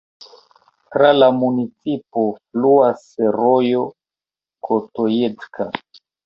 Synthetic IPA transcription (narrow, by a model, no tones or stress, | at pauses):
tɾalamunit͡sipofluaseɾojo | kʰotojet͡skʰa